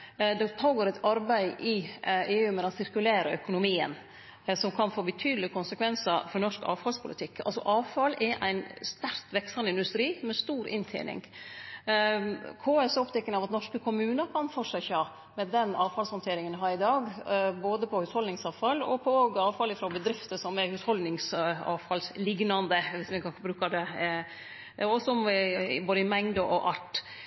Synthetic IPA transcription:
d̪ɛt̪ʰɑːɡoːɾɛt̪ɑɾbæɪʔɪeːʉːmɛɑsɪɾkʉleːɾəœkʊnʊmiːə̰n | sɔmkʰɑnfoːbət̪ʰyːd̪əlɪkʰʊnsəkʰʋɛnsəfɔɾnɔʂkɑ̰ːʋfɑlspʰʊlɪ̰t̪ʰɪkːɑ̰lsɔ̰ʔɑːʋfɑlɛʔæ̰ɪnst̪æɾt̪ʋɛksɑnɪnd̪ʉst̪ɾiːmɛst̪uːɾʔɪnt̪ʰḛːnɪ̰ŋ | kʰoːɛsɔpt̪ʰɛkːəŋɑʋɑt̪nɔʂkəkʰʊmʉːnəkʰɑnfɔʂɛçɑ | mɛd̪ɛnɑːʋfɑlshɔnt̪ʰeːɾɪŋənɦɑɾɪd̪ɑːɡboːd̪əpʰɔhʉshɔld̪ɪŋsɑːʋfɑlɔ̰pʰɔoːɡɑːʋfɑlɪfɾɔbəd̪ɾɪft̪əsɔmɛɾhʉshɔld̪nɪŋsɑ̰ːʋfɑlslɪɡnɑnd̪əʋɪsmɛkʰɑnəbɾʉːkɑd̪ɛ | ɔsɔboːd̪əɪmɛŋd̪əʔɔʔɑʈ

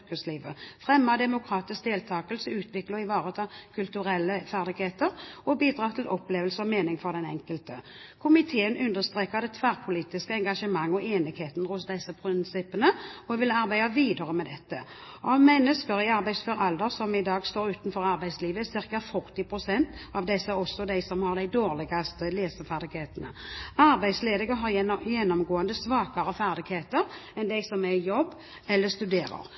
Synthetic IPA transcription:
kəsliːʋəfʁɛmːəd̪ɛmʊkʰɾɑːt̪ɪsk̚d̪eːlt̪ʰɑːkəlsəʉːt̪ʰʋɪkləʁɪʋɑːʁət̪ʰɑːkʰʉlt̪ʉʁɛlːəfæʁd̪ɪɡheːt̪əʁɔbiːd̪ʁɑːt̪ʰɪlʔɔpleːʋəlsəʁɔmeːnɪŋfɔʁd̪ɛnɛ̰ŋkəlt̪ə | kʰʊmɪt̪ʰeːənʉnd̪əʁst̪ʁeːkəʁd̪ɛt̪ʰʋæːʁpʰʊliːt̪ɪskəɛŋɡɑʂəmɑŋːɔʔeːnɪɡ̥heːt̪nəʁʊsd̪ɛsːəpʰʁɪnsɪpːənəɔʋɪlɑʁbæɪd̪ɑʋiːd̪əʁəmɛd̪ɛt̪ːə | ɑmɛnːəskəɾɪɑɾbæɪsfœɾɑld̪əɾsɔmɪd̪ɑːɡst̪oːɾʉːt̪n̩fɔɾɑɾbæɪsliːʋəsɪʁkɑfʊɾt̪ɪpʰɾʊsɛnt̪ɑʋd̪ɛsəɔsːɔd̪æɪsɔmhɑʁd̪æɪd̪oːʁlɪɡɑst̪əleːsəfæʁd̪ɪɡheːt̪ənə̰ɑɾbæɪd̪sleːd̪ɪɡəɦɑʁjɛnːɔmɡoːənd̪əsʋɑːkɑɾəfæʁd̪ɪɡheːt̪əɾɛnd̪æɪsɔmæjɔbː | ɛlːəst̪ʉd̪eːɾə̰ɾ

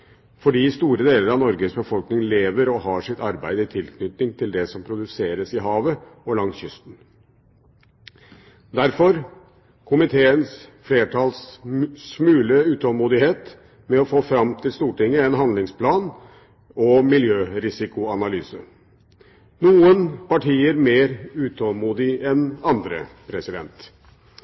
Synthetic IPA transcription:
fɔɖiːst̪uːɾəd̪eːləɾɑʋnɔɾɡəsbəfɔlknɪŋleːʋəɾɔhɑːʂɪt̪ɑɾbæɪd̪əɪt̪ʰɪlkʰnʏt̪nɪŋt̪ʰɪld̪ɛsɔmpʰɾʊd̪ʉseːɾəsɪɦɑːʋəɔlɑŋsjʏst̪n̩ | d̪æɾfɔɾ | kʰʊmɪt̪ʰeːənsfleːʈʰɑːlssmʉːləʉːt̪ɔmuːd̪ɪheːt̪ | mɛɔfoːfɾɑmt̪ʰɪlst̪uːʈɪŋːəɛnɦɑnd̪lɪŋspʰlɑːn | ɔmɪljøːɾɪsɪkʊɑnɑlyːsə | nuːənpɑʈʰiːəɾmeːɾʉːt̪ɔlmuːd̪ɪɛnɑnd̪ɾə̰pʰɾɛsɪd̪ɛ̰nt̪

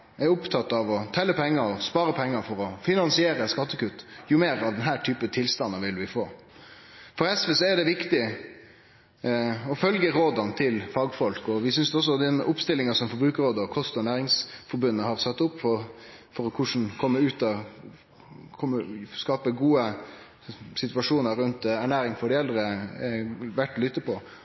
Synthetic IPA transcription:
æɾʊpt̪ʰɑt̪ːɑʋɔt̪ʰɛlːəpʰɛŋːɑɾɔspɑːɾəpʰɛŋːɑfɔɾɔfɪnɑnsɪeːɾəskɑt̪ːəkʉt̪ːjʊmeːɾɑʋd̪ɛnɦæːʈʰyːpət̪ʰɪlst̪ɑnːɑʋɪlʋɪfoː | fɔɾɛsʋəsɔɛɖɛʋɪkt̪ɪ | ɔfœlɡəɾoːd̪ɑnt̪ʰɪlfɑːɡfɔlkɔʋɪsʏnsd̪ɔs̬ːɔd̪ɛnʊpst̪ɪlːɪŋɑsɔmfɔɾbɾʉːkəɾoːd̪əɔkʰɔst̪ɔæɳæːɾɪŋsfɔɾbʉnːəhɑɾsɑt̪ːʊpːfɔfɔɾɔkʰʊʂn̩kʰɔmːəʉːt̪ɑ | kʰɔmːəskɑːpəɡuːə | sɪt̪ʋɑʂuːnəɾʉnt̪æɳæːɾɪŋfɔɖɪɛld̪ɾə | ʋæʈːlʏt̪ːəpʰɔ

